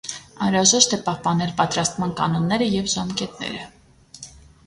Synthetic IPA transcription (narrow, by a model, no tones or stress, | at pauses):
ɑnɾɑʒɛʃt̪ʰɛpɑhpɑnɛlpɑt̪ɾɑst̪mɑnkɑnɔnːɛɾəjɛvʒɑmkɛt̪nɛ̰ɾə